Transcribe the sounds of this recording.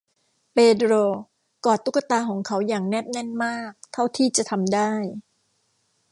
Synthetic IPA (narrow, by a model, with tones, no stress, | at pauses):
peː˧dɾoː˧ | kɔː˨˩t̪ːu˦˥ka˧t̪aː˧kʰɔː˩˦ŋkʰa˦˥wjaː˨˩ŋnɛː˥˩p̚nɛ˥˩nmaː˥˩k̚t̪ʰa˥˩wt̪ʰiː˥˩t͡ɕa˨˩t̪ʰa˧mdaː˥˩j